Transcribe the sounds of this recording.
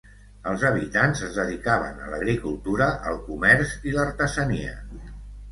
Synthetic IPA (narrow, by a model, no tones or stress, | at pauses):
əlˠzəβ̞it̪anzəzðəðikaβə̰nə̰lə̰ɣɾikulˠt̪uɾəʔəlˠkumɛɾziləɾt̪əzəniə̰